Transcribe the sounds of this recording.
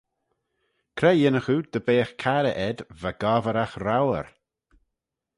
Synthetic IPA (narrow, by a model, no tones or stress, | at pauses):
kʰɾɛjɪnəxud̪̥əbeːxkʰaɾəʔɛd̪vaɡaːvəɾaxɾawə̰ɾ